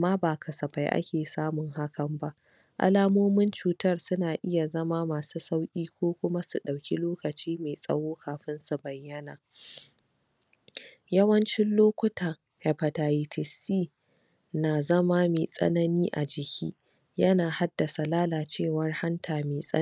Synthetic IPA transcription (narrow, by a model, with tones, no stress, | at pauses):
maː˦baː˨kʰɐ˨sɐ˨ɸa˨jʔa̰˦kʲeː˨saː˦mʊ˨ŋɦa˦kʰɐ˨mba˦ʔ | ʔa̰˦laː˦moː˦mɪ˦nt͡ʃuː˨tɐ˦rsʊ˦naː˨ʔɪ˦ja˨zɐ˦maː˦maː˨suː˦sa˦wkʲʼiː˦kʷoː˦kʷʊ˦ma˦su˨ɗa˨wkʲi˦loː˦kɐ˨t͡ʃiː˦meː˨sʼɐ̰˦woː˦kʰaː˨ɸɪ˦nsu˨bɐ˨jːɐ˦naː˨ | jɐ˦wɐ˦nt͡ʃɪ˦nloː˦kʷʊ˦tʰaː˨ | ha˨pɐ˨ta˨ji˨tʰɪ˨siː˦˨ | naː˨zɐ˦ma˦meː˨sʼɐ̰˦nɐ˦niː˦ʔa˨d͡ʒɪ˨kʲʰḭː˦ | jɐ˦naː˨ha˦dːɐ˨sa˨laː˦laː˨t͡ʃeː˦˨wɐ˦rha˦ntʰaː˨meː˨sʼɐ̰˦